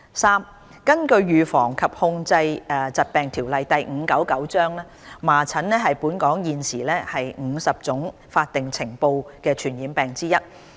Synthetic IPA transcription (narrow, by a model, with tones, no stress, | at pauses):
saː˥m | kɐ˥nkɵ˧ɥɥyː˨fɔː˨˩ŋkʰɐ˨p̚hʊ˧ŋt͡sɐ˧jɛː˨˧t͡sɐ˨t̚pɛː˨˩ŋt̪ʰiː˨˩wlɐ˨jt̪ɐ˨jŋ̩ː˨˧kɐ˨˥wkɐ˨˥wt͡ʃœː˥ŋlɛː˥maː˨˩t͡sʰɐ˨˥nnɛː˥ɦɐ˨jpuː˨˥nkɔː˨˥ŋjiː˨nsiː˨˩lɛː˥hɐ˨jŋ̩ː˨˧sɐ˨p̚t͡sʊ˨˥ŋ | faː˧t̚t̪ɪ˨ŋt͡sʰɪ˨˩ŋpo˧wkɛː˧t͡ʃʰyː˨˩njiː˨˥npɛː˨ŋt͡siː˥jɐ˥t̚